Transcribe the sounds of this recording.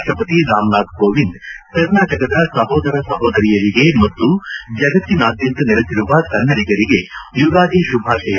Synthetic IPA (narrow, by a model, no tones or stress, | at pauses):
ʂʈɐpɐt̪iɾaːmlaːt̪̚ɡoːʋind̪kɐɾnaːʈɐkɐd̪ɐsɐɦɔːd̪ɐɾɐsɐɦoːd̪ɐɾijɐɾiɡe̞mɐt̪ːud͡ʒɐɡɐt̪ːinaːd̪jɐnt̪ɐneɾesiɾuʋɐkɐnːɐɾiɡɐɾiɡe̞juɡaːd̪iʃubʱaːʂɐjɐ